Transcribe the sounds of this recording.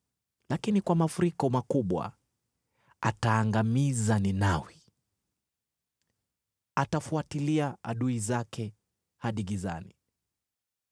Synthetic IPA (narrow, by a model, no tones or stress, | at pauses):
lakinikwamafuɾikɔmakuɓwa̰ | ataːŋɡamizaninawi | atafuatiliaa̰ɗuizakʰɛ | haɗiɡiza̰ni